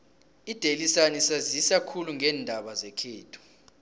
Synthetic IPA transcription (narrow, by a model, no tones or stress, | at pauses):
id̥ʱelisanisazisakʰuluŋɛːndʱaɓazɛkʰɛːtʰɔ̥